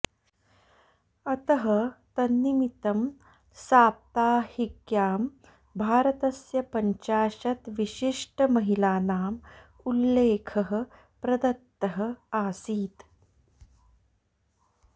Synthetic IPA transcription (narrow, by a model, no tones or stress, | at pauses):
ɐt̪ɐɦɐt̪ɐnːimit̪ɐm | saːp̚t̪aːhikjaːm | bʱaːɾɐt̪ɐsjɐpɐɲt͡ʃaːʃɐt̪ʋiɕiʂʈəmɐɦilaːnaːm | ulːeːkʰɐɦə̆ | pɾɐd̪ɐt̪ːɐɦə̆aːsiːt̪